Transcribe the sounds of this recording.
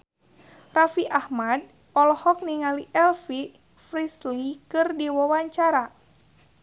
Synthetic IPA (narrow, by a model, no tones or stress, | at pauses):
rafiʔahmad̚ | ɔlɔhɔk̚niŋaliʔɛlfi | fɾislikɨrdiwɔwaɲt͡ʃaɾa